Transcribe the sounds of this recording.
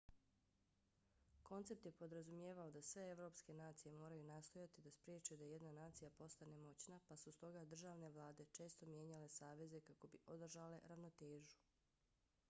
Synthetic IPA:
ko̞nt̪se̞p̚t̪je̞po̞d̪ɾazumjeːʋaod̪asʋe̞eʋɾo̞ːpske̞naːt̪sije̞mo̞ːɾajunast̪o̞jat̪id̪aspɾjeːt͡ʃujud̪ajed̪nanaːt̪sijapo̞st̪ane̞mo̞t͡ɕnapasust̪o̞ɡad̪r̩ʒaːʋne̞ʋlˠaːd̪e̞t͡ʃe̞ːst̪o̞mje̞ːɲale̞saːʋe̞ze̞kako̞biʔo̞d̪r̩ʒale̞ɾaʋno̞t̪e̞ːʒu̥

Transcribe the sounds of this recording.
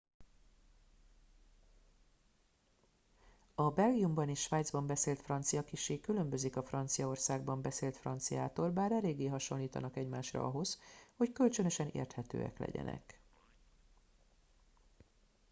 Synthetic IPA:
ɒbɛlɡijumbɒniʃʃʋaːd̪zbɒmbɛseːlt̪frɒnt̪sijɒkiʃeːkylø̞mbø̞zikɒfrɒnt̪sijɒo̞rsaːɡ̚bɒmbɛseːlt̪frɒnt̪sija̰ːt̪oːlbaːɾɛleːɡːeːɦɒʃo̞nliːt̪ɒ̰nɒkɛɟmaːʃrɒ̰ʔɒ̰ɦo̞zho̞ckølt͡ʃønø̞ʃɛnḛːrt̪hɛt̪ø̰ːɛ̰klɛ̰ɟɛ̰nɛ̰k

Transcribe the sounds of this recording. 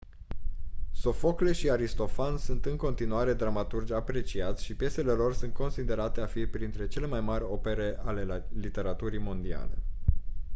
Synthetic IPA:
so̞fo̞kle̞ʃiaɾist̪o̞fansunt̪ɨŋko̞nt̪inuaɾe̞d̪ɾamat̪urd͡ʒʲapɾe̞t͡ʃiat̪sʲʃipje̞se̞le̞lo̞rsunt̪̚ko̞nsid̪e̞ɾat̪e̞afipɾint̪ɾe̞t͡ʃe̞le̞majmaɾʲo̞pe̞ɾe̞ʔale̞lit̪e̞ɾat̪uɾijmo̞nd̪ia̰le̞̰

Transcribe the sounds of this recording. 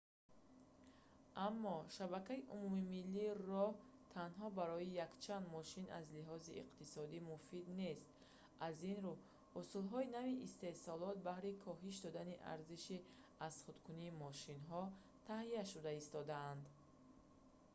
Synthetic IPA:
ʔamːɔʃabakaiʔumumimilːiːrɔht̪ʰanɦɔbaɾɔijakt͡ʃʰand̪mɔʃina̰zliɦɔziḭqt̪isɔd̪imufid̪ne̞st̪̚ | ʔazinɾu | usulɦɔinaviʔist̪e̞hsɔlɔt̪̚bahɾikʰɔɦiʃ̬d̪ɔd̪aniʔa̰ɾziʃi | azχud̪kʰuniːmɔʃinɦɔ | t̪ʰaɦiaʃud̪aist̪ɔd̪aːnd̪

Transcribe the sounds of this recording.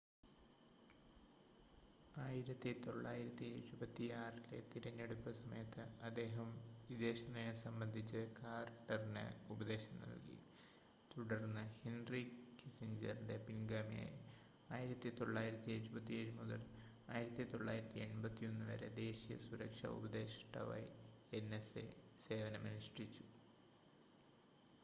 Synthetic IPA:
aːjiɾɐt̪ːit̪o̞ɭːaːjiɾɐt̪ːieɾubɐt̪ːiaːrile̞̰t̪iɾɐɲːe̞ɽupːɨsɐmɐ̰jɐt̪ːɨɐd̪ːe̞ːɦɐmʋid̪e̞ːɕɐnːɐjesɐmbɐnd̪ʱit͡ɕːɨkaːrʈːɐrinḛubɐd̪e̞ːɕɐmnɐ̰ɭkḭ | t̪uɽɐrnːɨhenrikisiɲd͡ʑɐ̰rinde̞pinɡaːmija̰j | aːjiɾɐt̪ːit̪o̞ɭːaːjiɾɐt̪ːieɾubɐt̪ːieːɻumuðɐ̰l | aːjiɾɐt̪ːit̪o̞ɭːa̰ːjiɾɐt̪ːie̞ɳbɐt̪ːio̞nːɨʋɐ̰ɾe̞̰d̪e̞ːɕijɐ̰suɾɐkʂɐ̰ṵbɐd̪e̞ːɕʈːɐ̰ʋɐ̰jenːesḛse̞ːʋɐnɐmɐniʂrit͡ɕːu̥

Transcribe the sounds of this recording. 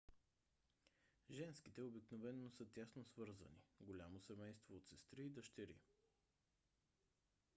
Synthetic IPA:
ʒɛnskit̪ɛobiknovɛnːosɤt̪ʲasnosvɤɾzə̰niɡolʲamosɛmɛjst̪voːt̪sɛst̪ɾiːd̪əʃt̪ɛɾḭ

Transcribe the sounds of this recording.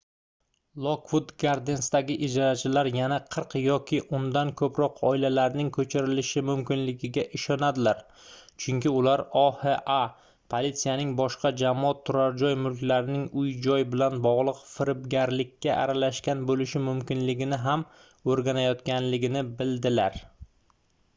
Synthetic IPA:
lˠokvʊd̪ɡaɾd̪ensd̪aɡʲɪʔɪd͡ʒaɾat͡ʃʰɪlaɾjanaqʰɨɾqjɒkʲʰɪʔʊnd̪ankʰɵpɾɒqʰɒɪlalaɾnɪŋkʰɵt͡ʃʰɪɾɪlɪʃɪmʊmkʲɪnlɪɡʲɪɡʲaʔɪʃɒnad̪ɪlaɾ | t͡ʃʰʊŋkʲɪʊlaɾɒheʔa | pʰolit̪sijanɪŋbɒʃqɑd͡ʒamɒt̪ʰːʊɾaɾd͡ʒɒjmʊlkʲlaɾɪnɪŋʊjd͡ʒɒjbɪlanbɒʁlˠɨqfɪɾɪbɡʲaɾlɪkʲːaʔa̰ɾalaʃkʲanbolɪʃɪmʊmkʲɪnlɪɡʲɪnɪɦam | oɾɡʲanajɒt̪kʲʰanlɪɡʲɪnɪbɪld̪ɪlaɾ

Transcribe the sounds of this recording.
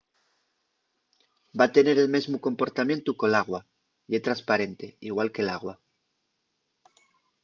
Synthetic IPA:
bat̪e̞ne̞ɾe̞lme̞zmuko̞mpo̞ɾt̪amjẽ̞nt̪uko̞laɣ̞wa | jet̪ɾanspaɾe̞nt̪e̞iɣwalke̞laɣwa

